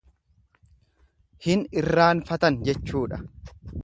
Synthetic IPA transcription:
hɪnɪrːaːnfɐt̪ɐnd͡ʒɛt͡ʃːuːᶑɐ

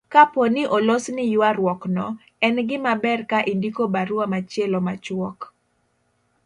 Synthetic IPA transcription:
kaponɪʔolosnɪjwaɾwɔknɔ | ɛnɡɪmabɛrkaʔindikobaɾuamat͡ʃjɛlɔmat͡ʃwɔk

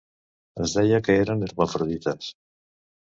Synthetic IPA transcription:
azðeʎakeeɾaneɾβafɾoðit̪as

